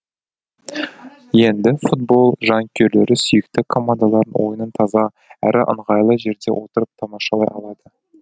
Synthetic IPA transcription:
je̞nd̪ɪfut̪̚bo̞lˠʒɑŋkʲʰe̞ɾle̞ɾɪsʏjɪkt̪ɪkʰo̞mand̪alˠɑɾənwʔo̞jənənt̪ʰɑzɑ | æ̰ɾʔɪʔə̰ɴʁɑjlˠəʒe̞ɾd̪e̞̰wʔo̞t̪əɾəp̚t̪ʰɑmɑʃɑlˠɑjɑlˠɑd̪ə

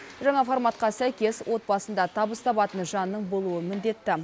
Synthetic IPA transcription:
ʒɑɴɑformɑt̪̚qɑsæjkʲe̞swʔo̞t̪̚bɑsənd̪ɑt̪ʰɑbəst̪ʰɑbɑt̪ənʒɑnːəɴbo̞lˠuəmɪnd̪e̞t̪ːɪ

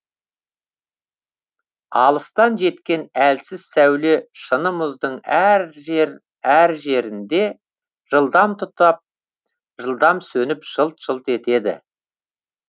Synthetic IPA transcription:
ɑlˠəst̪ɑnʒe̞t̪kʲe̞nælsɪzsæwleʃənəmʊzd̪əɴæɾ | æɾʒe̞ɾɪnd̪e̞ | ʒ̥əlˠd̪ɑmt̪ʰʊt̪ɑp̚ | ʒəlˠd̪ɑmsɵnɪpʒ̥əlˠt̪ʒ̥əlˠt̪e̞t̪e̞d̪ɪ̰

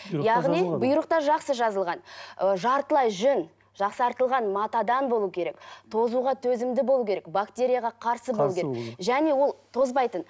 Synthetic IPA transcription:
jɑʁnibʊjəɾəq̚t̪ɑɾʒɑqsəʒɑzəlˠʁɑnʒɑɾt̪əlˠɑjʒʏn | ʒ̥ɑqsɑɾt̪əlˠʁɑnmɑt̪ɑd̪ɑnbo̞lˠukʲʰe̞ɾe̞kt̪ʰo̞zuʁɑt̪ʰɵzɪmd̪ɪbo̞lˠukʲʰeɾekbakt̪ʲe̞ɾʲijaʁɑqʰɑɾsəbolˠukʲeeʒæne̞wo̞lˠt̪ʰo̞zbɑjt̪ən

